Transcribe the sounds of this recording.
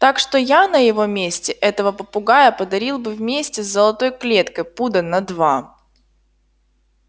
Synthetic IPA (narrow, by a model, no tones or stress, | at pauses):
t̪akʂt̪o̞janəjɪvo̞mʲesʲtʲɪʔɛt̪əvəpəpʊɡajəpəd̪ɐɾʲilˠbɨvmʲesʲtʲɪzzəlˠɐt̪o̞jklʲet̪kəjpud̪ənɐd̪va